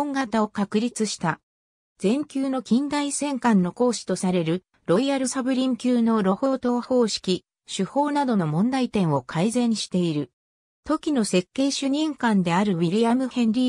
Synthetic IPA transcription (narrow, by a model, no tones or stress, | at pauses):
õŋɡat̪ao̞kakɯ̟ɾʲit͡sɨɕi̥t̪a | d͡zẽ̞ŋkʲɨːno̞kʲĩnd̪aisẽ̞ŋkãnːo̞ko̞ːɕi̥t̪o̞saɾe̞ɾɯ̟ | ɾo̞iaɾɯsabɯ̟ɾʲĩŋkʲɨːno̞ɾo̞ho̞ːt̪o̞ːho̞ːɕi̥kʲi | ɕɨho̞ːnad̪o̞no̞mõ̞nd̪ait̪ẽ̞ɰ̃o̞kʰaizẽ̞ɲ̃ɕi̥t̪e̞iɾɯ̟ | t̪o̞kʲino̞se̞kːe̞ːɕɨɲ̟ĩŋkãnd̪e̞aɾɯ̟βʲiɾʲiamɯ̟hẽ̞nɾʲi